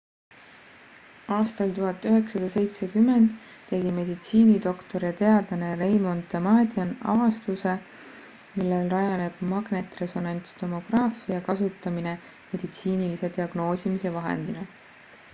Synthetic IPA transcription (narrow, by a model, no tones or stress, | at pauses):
ɑːst̪ɑlt̪uɦɑt̪ːˑyɦe̞ksɑd̪̥ɑse̞jt̪se̞kymːe̞nd̪ː | e̞ɡ̥ime̞d̪it̪siːnid̪o̞kt̪o̞ɾjɑt̪e̞ɑd̪̥lɑne̞ɾejmo̞nt̪ːˑemɑːd̪ʲiɑnɑ̰vɑst̪use̞ | milːe̞lrɑjɑne̞b̥mɑɡ̥ne̞t̪ːre̞so̞nɑnʲt̪st̪o̞mo̞ɡ̥rɑːfiɑkɑsut̪ːˑɑmine | me̞d̪̥it̪siːnilise̞t̪iɑɡ̥no̞ːsʲimise̞vɑɦḛnd̪̥inɑ